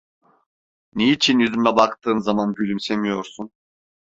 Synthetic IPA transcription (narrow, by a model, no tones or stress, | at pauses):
neiːt͡ʃʰinjyzymlʲɛbakt̪ʰɯːnzamanɟølʲymsemijoɾsun